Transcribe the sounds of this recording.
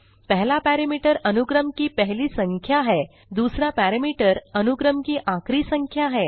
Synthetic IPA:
pəɦlapæɾemiʈəɾənuɡɾəmkiːpəɦliːsəŋkʰjaɦe | d̪usɾapæɾemiʈəɾənuɡɾəmkiːʔãkɾiːsəŋkʰjaɦe

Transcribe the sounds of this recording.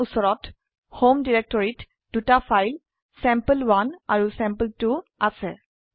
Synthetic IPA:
usɔɹɔt | homdiɹɛk̚tɔɹit | d̥utafajl | sɛ̃mpəlwanaɹusɛ̃mpəltuasɛ

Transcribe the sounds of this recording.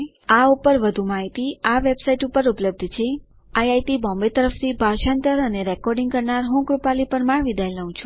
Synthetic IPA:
aupəɾʋəd̪ʱũmaɦit̪iaʋebsaiʈupəɾupləb̚d̪ʱt͡ʃʰe | ajajʈ̪ibɔ̃mbet̪əɾəft̪ʰibʱaɾʃant̪əɾəneɾɛkɔɾɖiŋɡkəɾnaɾɦũkɾupalipəɾmaɾʋid̪ajləɦũt͡ʃʰũ

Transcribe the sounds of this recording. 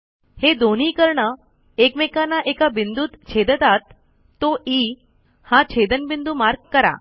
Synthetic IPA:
hed̪oniːkəɾɳə | ekmekanaʔekabind̪uːt̪t͡ɕʰed̪ət̪at̪ː | oʔi | hãt͡ɕʰed̪ənbind̪umaɾɡ̚kəɾa̰

